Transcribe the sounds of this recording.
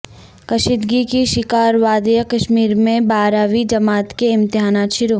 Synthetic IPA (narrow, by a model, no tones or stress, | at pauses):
kɐʃɪd̪ɡikiʃɪkaːɾʋaːd̪jəkɐʃmiːɾmẽbaːɾaːʋid͡ʒɐmaːt̪keɪ̃mt̪ɪɦaːnaːt̪ʃɪɾo